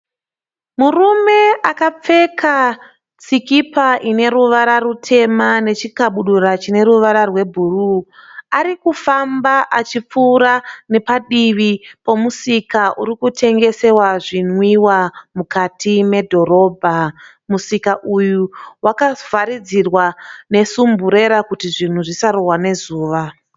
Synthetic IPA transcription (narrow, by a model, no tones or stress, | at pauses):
murume̞akap͡fe̞kʰa | t͡sikipaʔine̞ɾuʋaɾarutʰe̞mane̞t͡ʃikaɓuɗurat͡ʃine̞ɾuʋaɾarwe̞bʱuruaɾikufambaʔat͡ʃip͡fuːɾane̞paɗiʋipo̞musikaʔuɾikutʰe̞ŋɡe̞se̞waʐinwiwamukatʰime̞dʱo̞ɾo̞ːbʱa | musikaʔujuwakav̥aɾid͡zirwane̞sumbuɾe̞ɾakutiʐin̤uʐisarowane̞zuːʋa